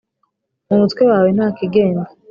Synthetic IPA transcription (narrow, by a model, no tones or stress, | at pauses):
omutwewaːwen̥haːkiɡeːna